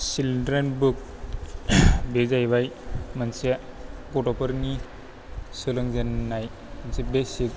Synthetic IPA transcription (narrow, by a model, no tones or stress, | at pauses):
silɖɾenbuk̚ | bezajbajmənseɡoʈɔpəɾni | sɯlɯŋzenːaj | mənsebesik̚